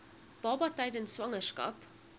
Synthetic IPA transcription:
b̥ɑːbɑtəjdənsʋɐŋərskɐ̰p

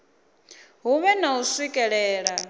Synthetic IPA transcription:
ɦuβɛnausikʼɛɺɛːɺa

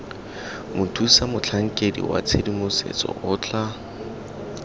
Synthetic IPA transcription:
mʊtʰusamʊt͡ɬʰaŋ̩kʼedḭwa̰t͡sʰedimʊsḛt͡sʼɔ̰ʔʊːt͡ɬʰa

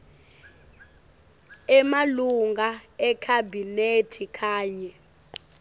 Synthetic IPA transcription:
ɛmaluŋɡaɛkʰabʱinetʰikʰaːɲɛ

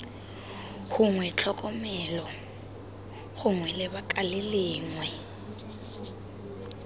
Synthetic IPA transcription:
ɣʊŋwɛt͡ɬʰɔkʼɔmɛlɔ | ɣʊŋwɛlɪbakʼalɪlɪːŋwɛ

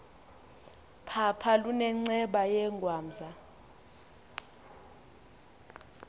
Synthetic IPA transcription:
pʰapʰalunɛŋ͡ǀɛɓajɛŋɡʱwaːmzʱa

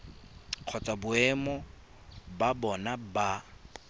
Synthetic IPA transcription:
q͡χʰɔt͡sʼabʊɛmɔ | babɔnaba

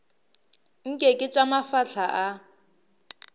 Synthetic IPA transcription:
ŋ̩kʼekʼɪt͡ʃʼamafaɬʰaʔa

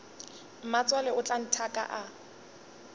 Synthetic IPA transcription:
m̩mat͡sʼwalɛʊt͡ɬʼan̩tʰakʼa̰ʔa

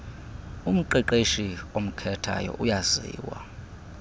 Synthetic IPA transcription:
um̩ǃiǃeʃiom̩kʰɛtʰa̰jɔ̰ʔujazḭːwa

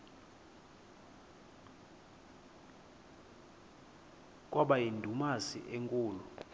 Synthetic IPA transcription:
k̬ʼwɔɓajindʱumasiʔeŋkʼuːlɔ

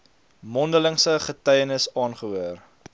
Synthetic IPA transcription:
mɔndələŋsəχətɛjənəsɑːnχəɦuər

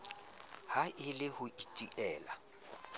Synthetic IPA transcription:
haʔɪlɪhʊitʼiʔɛːla̰

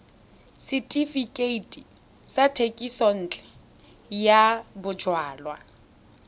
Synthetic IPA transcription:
sitʼifikʼeitʼi | satʰekʼisɔn̩ːt͡ɬʼɛ̥ | jabʊd͡ʒwaːlwa

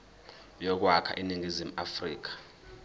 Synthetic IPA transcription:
jɔk̬wakʰa̰ʔiniŋizimuafrḭːk̬ḁ

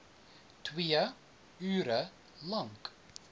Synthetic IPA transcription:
tʰwiːə | yːɾə | lãŋk

